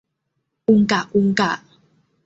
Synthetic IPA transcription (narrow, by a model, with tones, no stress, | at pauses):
u˧ŋka˨ʔu˧ŋka˨